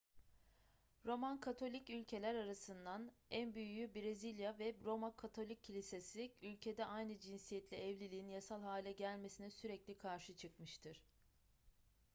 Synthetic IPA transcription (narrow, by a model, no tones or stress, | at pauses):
ɾo̞mankʰat̪ʰo̞lʲicylʲcʰe̞lʲæɾaɾasɯnd̪anænbyjyjybɾezilʲjavɛbɾo̞makʰat̪ʰo̞lʲicʰːilʲisesiylʲcʰe̞d̪ɛʔajnɯd͡ʒinsijɛt̪lʲiɛvlʲilʲiːinjasalˠɦaːlʲɛɟælʲme̞sinɛsyɾɛclʲikʰaɾʃɯt͡ʃʰɯkmɯʃt̪ʰɯɾ̥